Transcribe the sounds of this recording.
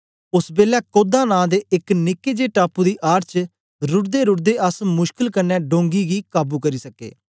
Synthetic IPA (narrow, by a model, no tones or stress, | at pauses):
ʊsbeːlɛːkoːd̪ãːnãːd̪eːʔɪknɪkeːd͡ʒeːʈaːpuːd̪iːʔaːɾt͡ʃ | ɾʊʈd̪eːɾʊʈ̚d̪eːʔəsmʊʃkɪlkənːɛ̃ːɖõːŋɡiːɡiːkaːbuːkəɾiːsəkḛː